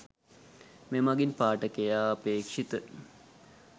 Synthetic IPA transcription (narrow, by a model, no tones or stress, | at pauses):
memaɡinpaːʈəkejaːpeːkʂit̪ə